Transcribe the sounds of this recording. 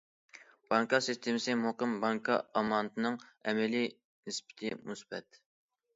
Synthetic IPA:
b̥ɑŋkɑsist̪ʰemɪsɨmɦoqəmbɑŋkʰɑɑmɑnt̪ʰɨnɨŋɛmɛli | nɪspɪ̥t̪ʰɪmusbɛ̰t̪

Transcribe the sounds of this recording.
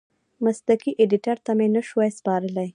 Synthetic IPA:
mast̪akiʔeɖɪʈaɾt̪amenəʃwajspɑɾəlaj

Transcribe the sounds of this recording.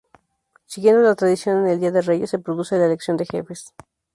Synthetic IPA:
siɣje̞nd̪olat̪ɾaðisjo̞neneld̪iaðereʝese̞pɾoðuselaeleksjo̞nd̪e̞xe̞̰fes

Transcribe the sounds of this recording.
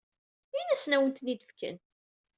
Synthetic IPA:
inæsnæwənt̪nid̪əfkʰə̰n

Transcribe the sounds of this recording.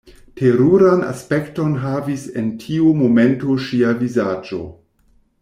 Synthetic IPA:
tʰeɾuɾana̰spekto̞nɦavisḛntʰiumo̞me̞ntoʃiavizad͡ʒo̞̰

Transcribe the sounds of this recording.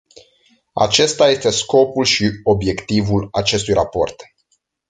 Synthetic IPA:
a̰t͡ʃe̞st̪aje̞st̪e̞sko̞pulʃio̞bje̞kt̪ivulat͡ʃe̞st̪ujrapo̞rt̪

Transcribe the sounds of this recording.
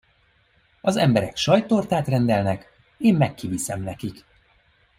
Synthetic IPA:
ɒzɛmbɛɾɛkʃɒjt̪ort̪aːt̪rɛnd̪ɛlnɛk | eːmːɛkːivisɛmnɛkik

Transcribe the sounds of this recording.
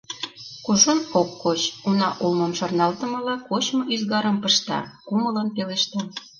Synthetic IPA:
kozonokːot͡ɕunɑʔulmə̆mʃɑrnɑlt̪ə̆mɤ̆lɤkot͡ɕmŏyzɣɑɾə̆mpə̆ʃt̪ɑ̰kumələnpeleʃt̪ɑ

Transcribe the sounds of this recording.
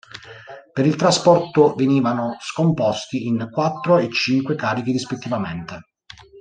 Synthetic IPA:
peɾilt̪ɾaspɔrt̪oveniːvanoskompɔst̪iinkwat̪ːɾoet͡ʃːiŋkwekaːɾik̟iɾispet̪ːivament̪e

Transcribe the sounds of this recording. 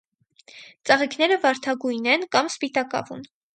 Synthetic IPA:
t͡sɑʁikʰn̪ɛɾəvɑɾt̪ʰɑɡujnɛnkɑmspit̪ɑkɑ̰vṵn

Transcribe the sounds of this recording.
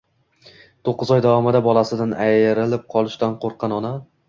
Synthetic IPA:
t̪ʰoqːɨzɒjd̪avɒmɪd̪abɒlˠasɪd̪anajɾɪlɪp̚qʰɒlˠɪʃt̪anqʰoɾqʰːɑnɒna

